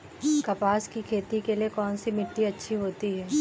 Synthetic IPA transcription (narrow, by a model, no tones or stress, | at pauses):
kɐpaːskikʰeːt̪ikeliekɔːnsimɪʈːiɐtːʃʰiɦoːt̪iɦɛː